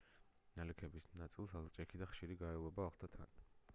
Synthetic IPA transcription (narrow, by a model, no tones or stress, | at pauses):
nalɛkʰɛbisnat̪sʼilˠsalˠt͡ʃʼɛkʰid̪aχʃiɾiɡaɛlˠɛbaːχlˠt̪ʰat̪ʰa̰n